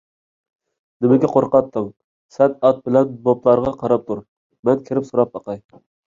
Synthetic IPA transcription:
nɪmɪɡʲɛqʰoɾqɑt̪ʰːɨm | sɛnɑt̪̚bɪlɛnboplˠɑɾʁɑqʰɑɾɑp̚t̪ʰuɾ | mɛnkʲʰɪɾɪpsoɾɑp̚ɑqɑj

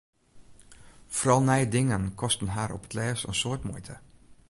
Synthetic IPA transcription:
fɔrɔlˠnɛjədɪŋənkʰɔstənɦaːɾʔɔpə̥tʰlɛːsə̰nsoətmujtʰə

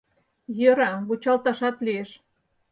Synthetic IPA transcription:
jøɾɑβut͡ɕɑlt̪ɑʃɑt̪lieʃ

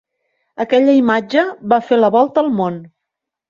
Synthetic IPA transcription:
əkɛʎəimad͡ʒəβafeləβɔlˠt̪əːlˠmon

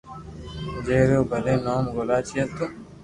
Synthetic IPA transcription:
d͡ʒeːɾoːbʱəlẽːnaːmɡoːlaːt͡ʃʰiət̪ː

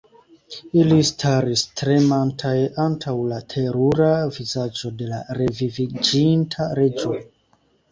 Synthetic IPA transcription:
ilistʰaɾistɾe̞mantʰajantʰawlatʰe̞ɾuɾavizad͡ʒo̞de̞la̰ɾe̞vivid͡ʒintʰaɾe̞d͡ʒon

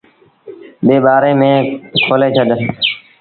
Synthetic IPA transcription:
ɓeːɓaːɾeːmẽːkʰoːleːt͡ʃʰəɗ

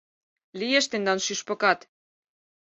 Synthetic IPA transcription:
lieʃt̪end̪ɑnʃyʃpɤ̆kɑt̪

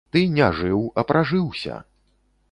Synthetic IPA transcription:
t̪ɨnʲaʐɨwɐpɾʔaʐɨwsʲɐ̰

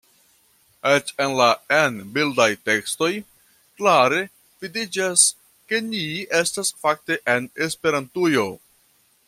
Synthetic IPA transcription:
et͡ʃe̞nlaenbildajte̞ksto̞j | klaɾe̞ | v̥idid͡ʒas | ke̞nie̞stasfak̚te̞ʔe̞ne̞spe̞ɾantujo̞

